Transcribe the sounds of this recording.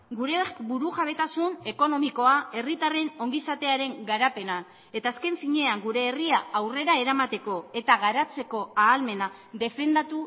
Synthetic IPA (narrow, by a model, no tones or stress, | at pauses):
ɡuɾe̞buɾuʝaβ̞e̞t̪asune̞ko̞no̞miko̞ae̞rit̪are̞no̞ŋɡisat̪e̞aɾe̞ŋɡaɾape̞na | e̞t̪aːske̞ɱfiɲe̞aŋɡuɾe̞ːriaawre̞ɾae̞ɾamat̪e̞ko̞e̞t̪aɣaɾat͡se̞ko̞aːlme̞na | ðe̞fe̞nd̪at̪u